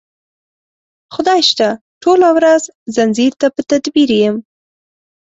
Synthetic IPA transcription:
xʊd̪ɑjʃt̪a | ʈolawɾazzanziɾt̪apət̪ad̪biɾejəm

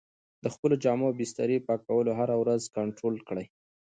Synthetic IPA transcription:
d̪̥əxpəlod͡ʒɑmabɪst̪a̰ɾipɑkawəloɦaɾawɾazkaɳʈɾolkɽaj

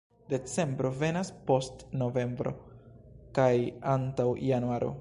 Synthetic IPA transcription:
d̥e̞t͡se̞mbɾo̞ve̞naspo̞stno̞ve̞mbɾo̞̰ | kajantawjanuaɾʔo̞̰

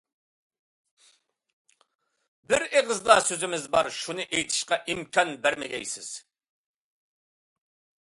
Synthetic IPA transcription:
bɪɾeʁɨzlˠɑsøzɪmɪzbɑɾʃunɨʔejt̪ʰɪ̥ʃqɑʔimkʰʲɑnbæɾmɛd̪ʲɛ̰jsɪ̰z̥

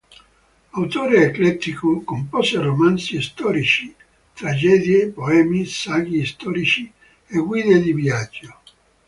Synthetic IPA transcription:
awt̪oːɾeeklɛt̪ːikokompɔseromansist̪ɔːɾit͡ʃi | t̪ɾad͡ʒɛːd̪jepoɛːmisaɡ̟ist̪ɔɾit͡ʃi | eɡwiːd̪ed̪ivjad͡ʒːo

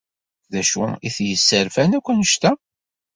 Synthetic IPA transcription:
ðæʃṵiθjəsːəɾfænækʷːənəʃt̪æ

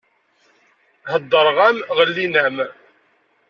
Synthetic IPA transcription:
həd̪ˤːəɾˤʁæmʁəlːinæm

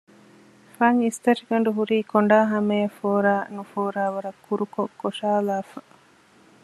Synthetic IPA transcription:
faŋist̪ɐʃiɡɐɳ̆ɖuɦuɾiːkoɳɖaːɦɐmejɐfoːɾaːnufoːɾaːʋɐɾɐkʰːuɾukokːoʂaːlaːfɐ

